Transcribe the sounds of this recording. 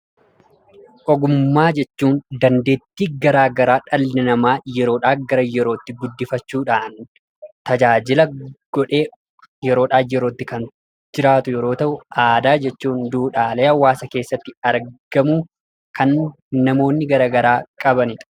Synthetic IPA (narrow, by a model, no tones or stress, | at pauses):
ʔɔɡʊmmːaːd͡ʒɛt͡ʃːuːnd̪ɐnd̪e̞ːt̪ːiːɡɐɾaːɡɐɾaːᶑɐlːɪnɐmaːjɛɾo̞ːᶑaːɡɐɾɐjɛɾo̞ːt̪ːɪɡʊd̪ːɪfɐt͡ʃːuːᶑaːn | t̪ɐd͡ʒaːd͡ʒɪlɐɡ̥ɔᶑe̞ː | jɛɾoːᶑaːjɛɾoːt̪ːɪkɐn | d͡ʒɪɾaːt̪ʊjɛɾo̞ːt̪ɐʔʊaːd̪aːd͡ʒɛt͡ʃːuːnd̪uːᶑaːleːɐwːaːsɐke̞ːsːɐt̪ːɪɐɾɡ̥ɐmu | kʰɐnː | ɐmo̞ːnːɪɡɐɾaːɡɐɾaːkʼɐbɐnɪt̪